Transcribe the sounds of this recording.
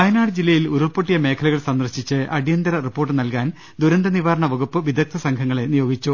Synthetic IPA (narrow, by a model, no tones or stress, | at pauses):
kɐjɐnaːɽɨd͡ʑilːɐjiluɾurpoʈːijɐme̞ːkʰɐluɣɐɭsɐnd̪ɐrɕit͡ɕːɨʔɐɽijɐnd̪ɐɾɐripːo̞ːrʈːɨnɐlkaːn | d̪uɾɐnd̪ɐniʋaːɾɐɳɐʋɐɡupːɨʋid̪ʱɐk̚t̪ʰɐsɐŋkʰɐŋːɐɭe̞nijo̞ːɡit͡ɕːu